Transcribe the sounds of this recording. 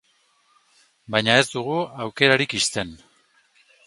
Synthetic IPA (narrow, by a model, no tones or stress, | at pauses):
bajɲae̞zd̪uɣ̞uawke̞ɾaɾikist̪e̞n